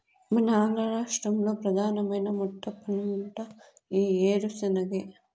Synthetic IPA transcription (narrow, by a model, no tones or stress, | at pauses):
mɐnɐaːnɡ̪ɾɐɾaːʂʈɾɐmlo̞ːpɾɐd̪ʱaːnɐmɐjnɐmuʈːɐpʰːɐnɳʈɐ | iːeːɾusɐnɐɡeː